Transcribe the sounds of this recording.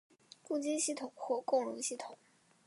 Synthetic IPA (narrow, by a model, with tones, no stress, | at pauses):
ku˥˩t͡ɕi˥nɕi˥˩t̪ʰʊ˨˩˦ŋxwɔ˥˧kʊ˥˩ŋɻʊ˧˥ŋɕi˥˩t̪ʰʊ˨˩˦ŋ